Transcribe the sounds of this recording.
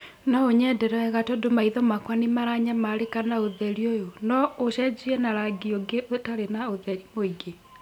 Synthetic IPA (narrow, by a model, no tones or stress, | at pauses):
nɔoɲɛdɛɾɛɛɣatɔdomaiðɔmakwanemaɾaɲamaɾekanaoðɛɾiojonɔoɕɛd͡ʒiɛnaɾaɡioɡeʔotaɾenaoðɛɾimoiɡe